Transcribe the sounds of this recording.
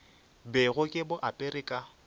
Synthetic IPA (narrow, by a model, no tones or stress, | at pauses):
beɣʊkʼɪbʊʔapʼeɾɪkʼa